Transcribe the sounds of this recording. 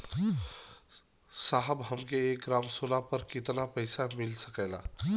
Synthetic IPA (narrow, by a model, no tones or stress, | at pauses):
saɦəbɦəmkeːk̚ɡɾaːmsolapəɾkɪt̪napəɪsamɪlsəkɛːla̰